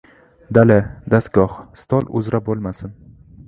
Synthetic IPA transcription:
d̪alɪd̪ast̪̚ɡ̥ɒhst̪ʰɒlˠʊ̰zɾabolˠmasɪn

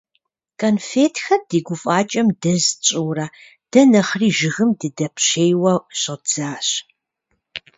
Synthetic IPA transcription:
kʰʼɐnfeːtʰxɐrd̥iːɡʷʊfʼaːt͡ʃʼɐmdɐzt͡ʃʼuwrɐ | d̥ɐnɐχriːʒɪɣɨmdɨdɐpɕeːjwɐɕɪd͡z̥aːɕ

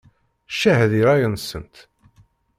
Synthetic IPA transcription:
ʃæhðiɾajənsə̰nt̪

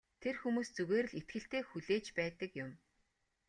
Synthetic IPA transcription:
t̪ʰerxumuːst͡suɣeːɾ̆ɮet̪ɡɘ̆ɬt̪eːxuɮeːt͡ɕpæːt̪ə̆kjʊm

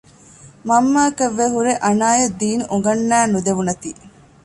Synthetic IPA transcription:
mɐmːaːkɐʋːeɦuɾeʔɐnaːjɐd̪ːiːnuʔuŋɡɐnːæːnud̪eʋunɐt̪iː

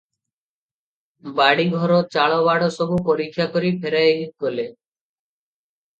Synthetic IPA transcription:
baɽiɡʱɔɾɔt͡ʃaɭɔβaɽɔsɔbupɔɾikʰːjakɔɾipʰeɾajeɦikɔle

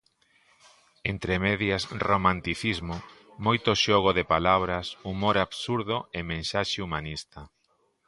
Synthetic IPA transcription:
ent̪ɾemeðjasromãnt̪iθizmo | mojt̪oʃɔɣ̞oðepalaβ̞ɾasumoɾaβsuɾðʊemẽnsaʃeumanist̪ɐ

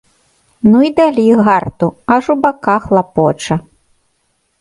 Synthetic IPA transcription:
nuid̪alʲiɣart̪uɐʐubakaxlˠapɔt͡ʂɐ

